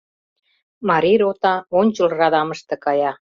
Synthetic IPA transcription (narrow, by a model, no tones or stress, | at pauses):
mɑɾʲiɾot̪ɑonʲt͡ɕə̆lrɑd̪ɑməʃt̪ĕkɑjɑ